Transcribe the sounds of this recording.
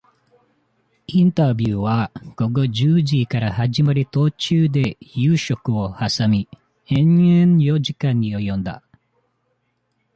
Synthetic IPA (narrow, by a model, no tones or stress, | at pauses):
int̪abjuːʋaːɡ̥oɡod͡ʒɯːd͡ʒiːkaɾaɦad͡ʒimaɾit̪oːt͡ʃɯːd̪ejɯːʃokɯohasami | eɲenjoːd͡ʒikaɲːijojond̪a̰